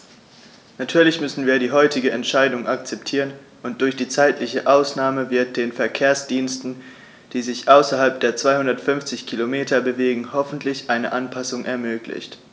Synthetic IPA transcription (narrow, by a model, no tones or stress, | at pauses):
natʰyːɐlɪçmʏsn̩viːɐdiːɦɔʏtɪɡəɛntʃaɪdʊŋʔak̚t͡sɛptʰiːʁən | ʔʊnt̚d̥ʊɐçd̥iːt͡saɪtʰlɪçəʔaʊsnaːməvɪɐt̚d̥eːnfɛɐkʰeːɐsd̥iːnstn̩ | d̥iːzɪçʔaʊsɐɦalp̚d̥eːɐt͡sv̥aɪhʊndɐtfʏnft͡sɪçkʰilomeːtʰɐbəveːɡŋ̩hɔfn̩tʰlɪçʔaɪnəʔanpʰasʊŋʔɛɐmøːklɪ̰çt